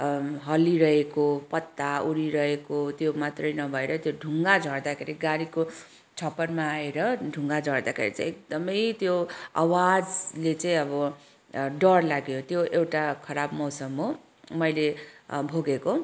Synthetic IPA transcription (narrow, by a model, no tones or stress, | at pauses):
ɦʌliɾʌekopʌt̪ːauɾiɾʌɦekot̪jomat̪rʌjnʌbʱʌeɾʌt̪joɖʱuŋɡad͡zʱʌɽd̪akʰeɾiɡaɾiko | t͡sʰʌpʌrmaːeɾʌɖʱuŋɡad͡zʱʌɽd̪akʰḛɾḭt͡sa̰ĩek̚d̪ʌmʌjt̪joa̰wad͡zlet͡saĩʌbʌ | ɖʌrlaɡjot̪joʔewʈakʰʌɾabmʌwsʌmɦo | mʌjlebʱoɡeko